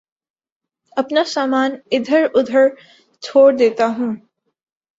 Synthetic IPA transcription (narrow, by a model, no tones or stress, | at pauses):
ɐpnasaːmaːnɪd̪ʱəɾʊd̪ʱəɾ | t͡ʃʰoːɽd̪eːt̪aɦũː